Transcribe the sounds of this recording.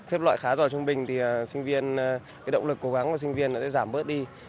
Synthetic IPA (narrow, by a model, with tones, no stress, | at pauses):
t̪ʰɛ˦˥p̚la̰ː˧˨jxaː˨˦zɔː˨˩t͡ɕʊ˧ŋ͡mɓï˨˩ŋ̟t̪ʰi˨˩˨sï˧ŋ̟vi˧ənkaː˨˦jɗə̰˧˨wŋ͡mlɨ˨˩kːo˨˦ɣa˨˦ŋka˧˨˩s̬ï˧ŋ̟vi˧ənːʔɔ˨˦˥a̰ː˧˩zaː˧˩mɓə˦˥t̚ɗi˧